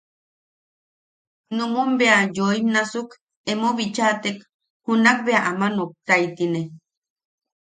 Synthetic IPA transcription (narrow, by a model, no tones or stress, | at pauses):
numumbeajoimnasuk | emoβit͡ʃat̪ek | hunak̚beaʔamanok̚t̪ait̪ine